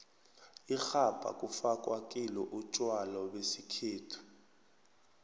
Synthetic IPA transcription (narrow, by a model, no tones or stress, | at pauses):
ixab̥ʱa̰kʼufakʼwakʼilɔʔut͡ʃʼwalɔwesikʰeːtʰu̥